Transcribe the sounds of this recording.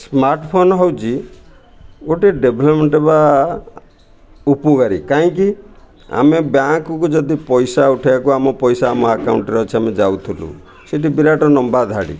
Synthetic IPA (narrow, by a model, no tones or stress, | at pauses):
smaɾʈɔpʰonɔɦɔwt͡ʃʰi | ɡoʈiɖebʱlɔpmeɳʈeba | upukaɾikaɦĩki | a̰mebjaŋkɔkud͡ʒɔd̪ipɔjsauʈʰibakuamɔpɔjsaːmɔakawɳʈɾɔt͡ʃʰiamed͡ʒawt̪ʰulṵ | seʈibiɾaʈɔnɔmbad̪ʱaɽḭ